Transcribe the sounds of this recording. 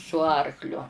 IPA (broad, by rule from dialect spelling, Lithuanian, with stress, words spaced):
sʊ ˈɐrklʲʊ